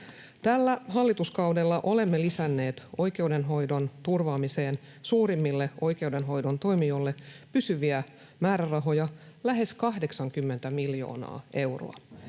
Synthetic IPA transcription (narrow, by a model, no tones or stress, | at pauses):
t̪ælːæɦɑlːit̪uskɑwdelːɑʔo̞le̞mːelisænːe̞ːt̪o̞jk̟e̞ude̞nɦo̞jdo̞nt̪urʋɑːmise̞ːn | suːɾimːilːe̞o̞jke̞uwde̞nɦo̞jdo̞nt̪o̞jmio̞lːe̞pysyʋiæ | mæːɾærɑɦo̞jɑ | læɦe̞skɑhde̞ksɑŋkymːe̞nt̪æmiljo̞̰ːnɑ̰ːʔe̞wro̰ɑ̰